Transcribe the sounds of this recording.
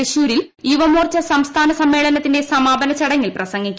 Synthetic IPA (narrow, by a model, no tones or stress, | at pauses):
eɕuːɾil | iʋɐmoːrt͡ɕɐsɐmst̪ʰaːnɐsɐmːe̞ːɭɐnɐt̪ːinde̞sɐmaːbɐnɐt͡ɕɐɽɐŋːilprɐsɐŋːikʲː